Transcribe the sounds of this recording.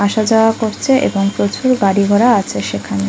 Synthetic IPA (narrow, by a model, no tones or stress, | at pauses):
aʃad͡ʑaoakoɾt͡ɕʰeʔḛboŋpɾot͡ɕuɾɡaɽiɡʱɔɾaat͡ɕʰeʃekʰane